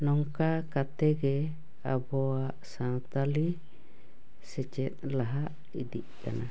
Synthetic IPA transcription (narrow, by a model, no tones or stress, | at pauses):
nɔŋkakat̪ɛɡɛ | abɔaʔsaŋt̪ali | sɛt͡ʃɛt̪̚laɦaʔ | idiʔka̰na